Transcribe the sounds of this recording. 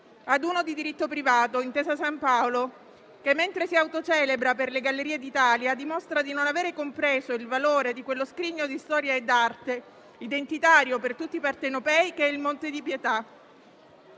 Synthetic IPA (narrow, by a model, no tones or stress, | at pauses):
ad̪uːnod̪id̪iɾit̪ːopɾivaːt̪oint̪eːzasampaolo | kemːent̪ɾesiawt̪ot͡ʃɛːlebɾaperleɡalːeɾiːed̪it̪aːljad̪imost̪ɾad̪inonaveːɾekompɾeːzoilvaloːɾed̪ikwelːoskɾiɲːod̪ist̪ɔːɾjaed̪ːart̪e | id̪ent̪it̪aːɾjopert̪ut̪ːipart̪enopɛjkeilmont̪ed̪ipjet̪a